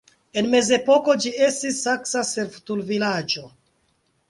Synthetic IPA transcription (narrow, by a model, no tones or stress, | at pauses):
e̞nme̞ze̞po̞ko̞d͡ʒie̞stisːaksaseɾftulvilad͡ʒo̞